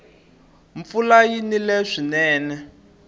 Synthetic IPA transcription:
ɱfulajinilɛʂinɛːnɛ

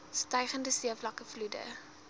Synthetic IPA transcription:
stœjχəndəsiəflɐkəfludə̰

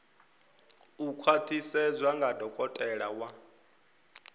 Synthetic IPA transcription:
ukʰwatʰisɛd͡zʷwaŋɡadʱɔkʼɔtʼɛɺawa

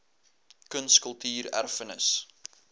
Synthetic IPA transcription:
kənskəlˠtyːræ̰rfənəs

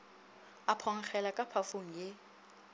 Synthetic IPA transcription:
apʰɔŋ̩k͡xʰɛlakʼapʰafoŋ̩je

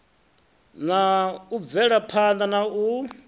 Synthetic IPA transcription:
nauvɛɺapʰand̪anau

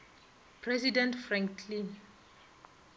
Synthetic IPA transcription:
pʰɾɛsidɛ̃ntfɹãŋkʰlĩn

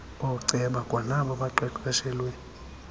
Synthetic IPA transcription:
ɔǀɛɓakʼwanaɓɔɓaǃɛkʼɓɛʃɛlweːni

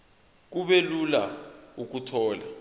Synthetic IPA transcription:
k̬uɓelulauk̬utʰɔːla

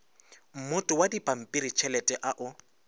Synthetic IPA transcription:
m̩mʊtʼʊwadipʼam̩pʼiɾit͡ʃʰɛlɛtʼɛʔaʔʊ

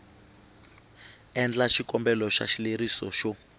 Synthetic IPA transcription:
ɛnd͡ɮaʃikɔmbɛlɔʃa̰ʃileɾisɔ̰ʃɔ

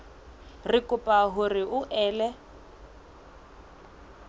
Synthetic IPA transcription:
rɪkʼʊpʼaɦʊrɪʔʊʔɛːlɛ

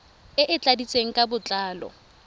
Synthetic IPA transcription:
ɪʔɪt͡ɬʼadit͡sʼeŋ̩kʼabʊt͡ɬʼaːlɔ̰

